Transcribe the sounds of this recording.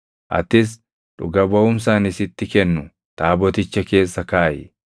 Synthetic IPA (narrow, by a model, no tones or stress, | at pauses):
ʔɐ̰t̪ɪs̬ | ᶑʊɡɐbɐʊmsaːnɪsɪt̪ːɪkɛnːʊ | t̪aːbɔt̪ɪt͡ʃːɐke̞ːsːɐkaːʔɪ̰